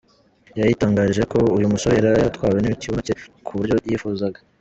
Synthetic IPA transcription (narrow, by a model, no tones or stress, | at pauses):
jajitaːŋɡaːɾiʒe̞ko̞ujumuso̞heɾajatwaːwe̞niciβocekʰuβuɾɟo̞jifuzaɡḁ